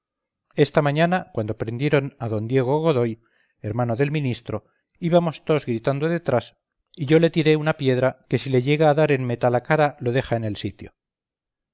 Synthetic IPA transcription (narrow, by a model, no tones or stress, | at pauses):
e̞st̪amãɲanakwand̪opɾe̞nd̪je̞ɾo̞naðo̞nd̪je̞ɣ̞o̞ɣo̞ðo̞j | e̞ɾmanoðe̞lmĩnist̪ɾo̞ | iβamo̞st̪o̞zɣɾit̪and̪o̞ðe̞t̪ɾas | iʝo̞le̞t̪iɾe̞unapje̞ðɾake̞sile̞ʝe̞ɣaːðaɾe̞nmet̪alakaɾalo̞ðe̞xaenelsit̪jo̞̰